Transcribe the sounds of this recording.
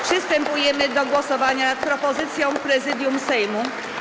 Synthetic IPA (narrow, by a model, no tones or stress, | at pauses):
pʂɘst̪ɛmpujɛmɘd̪ɔɡwɔsɔvaɲanat̪̚pɾɔpɔzɘt̪sʲjɔ̃w̃pɾɛzɘd̪ʲjumsɛjmu